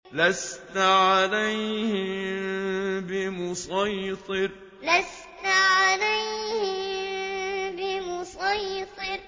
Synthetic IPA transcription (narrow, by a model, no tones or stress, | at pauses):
last̪aʕalajhɪ | bɪmʊsɑjt̪ˤɨɾ | las | t̪ʕalajhɪ | bɪmʊsˤɑjt̪ˤɨɾ